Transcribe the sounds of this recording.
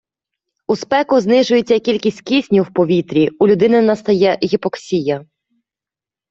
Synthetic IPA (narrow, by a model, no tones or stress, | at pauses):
uspɛkʊznɪʒʊjet͡sʲːɐkʲilʲkʲisʲtʲkʲisʲnʲiwpɔʋʲit̪ɾʲiulʲʊd̪ɪnɪnɐst̪ɐjɛɣʲipɔksʲijɐ